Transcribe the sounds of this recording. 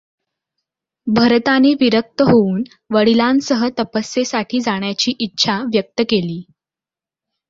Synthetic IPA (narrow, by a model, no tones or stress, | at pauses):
bʱəɾt̪aneːʋiɾək̚t̪əɦouːn | ʋəɽilansəɦət̪əpəsːesaʈʰiːd͡zaɳjat͡ɕiːʔitːɕʰaʋjək̚t̪əkeliː